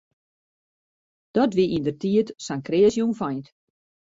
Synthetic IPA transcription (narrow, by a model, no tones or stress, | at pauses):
d̥ɔtʋiʔindərtiətsaŋkreːsjunfajt